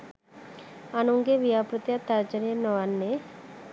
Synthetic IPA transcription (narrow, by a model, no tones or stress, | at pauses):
anuŋɡeʋijapɾət̪jat̪ɐɾd͡ʒənjənɔʋanːe